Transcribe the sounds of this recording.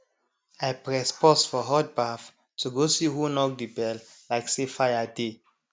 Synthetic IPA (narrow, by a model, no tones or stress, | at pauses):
ajpɹɛspɔsfɔɦɔt̚baf | tʰuɡosihunɔk̚dibɛl | laɪksefajade